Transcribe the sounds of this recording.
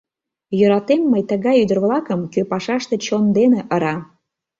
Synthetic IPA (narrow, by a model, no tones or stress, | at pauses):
jøɾɑt̪emːəjt̪əɣɑjyd̪ərβlˠɑkəmkøpɑʃɑʃt̪e̽t͡ɕond̪eneʔəɾɑ